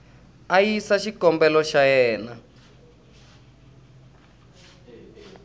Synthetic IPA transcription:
ajisaʃikɔmbɛlɔʃajɛːna

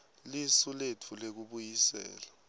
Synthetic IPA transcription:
lisulet͡fʰulek̬uɓujisɛ̰ːla

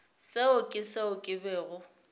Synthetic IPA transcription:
seʊkʼɪseʊkʼɪbɛːɣʊ

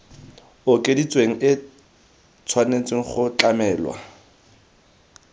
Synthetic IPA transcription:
ʊkʼedit͡sweŋ̩ɪ | t͡sʰwanet͡sʼweŋ̩χʊt͡ɬamɛːlwa̰

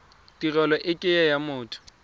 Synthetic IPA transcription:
tʼirɛlɔʔɪkʼɪjɛjamʊːtʰʊ̥

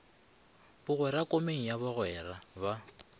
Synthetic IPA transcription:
bʊɣwɛɾakʼomeŋ̩jaβʊɣwɛːɾaba

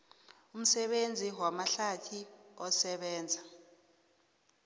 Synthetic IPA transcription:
um̩sɛɓend͡zʱiwamaɬatʰiɔsɛɓɛːnd͡zʱa

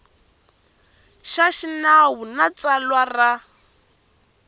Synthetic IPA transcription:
ʃaʃinaɦunat͡sʼalwara

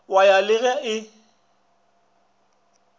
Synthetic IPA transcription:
wajalɪɣɛɪ

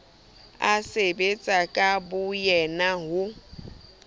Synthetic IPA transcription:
asebet͡sʼakʼabʊjɛnaɦʊ

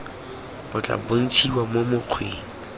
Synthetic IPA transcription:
mʊt͡ɬʼa̰bon̩t͡ʃʰiwamomʊq͡χʰweːŋ̩

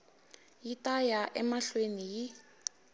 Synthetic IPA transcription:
jitajaʔɛmaɬweniji

